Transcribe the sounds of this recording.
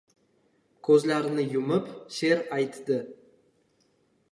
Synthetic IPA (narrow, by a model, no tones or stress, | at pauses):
kʲʰɵzlaɾɪnɪjʊmɪpʃe̞ɾɑjt̪d̪ɪ